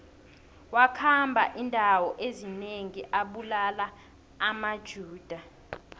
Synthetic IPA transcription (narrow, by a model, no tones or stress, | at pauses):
wakʰambʱaʔindʱawɔʔezineŋiʔaɓulalaː | mad̥ʒ̥ʱuːd̥ʱa